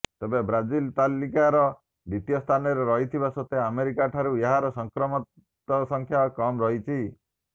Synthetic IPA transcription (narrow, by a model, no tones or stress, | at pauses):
t̪ebebɾad͡ʒilt̪alikaɾɔ | b̪it̪ijɔst̪ʰanɔɾeɾɔɦit̪ʰibasɔt̪eameɾikaʈʰaɾueɦaɾɔsɔŋkɾɔmɔ | ɔsɔŋkʰjakɔmɾɔɦit͡ʃʰi